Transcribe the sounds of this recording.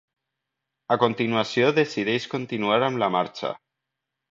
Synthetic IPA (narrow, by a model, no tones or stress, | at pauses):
akont̪inuasjoðesiðejskont̪inuaɾamlamaɾt͡ʃa̰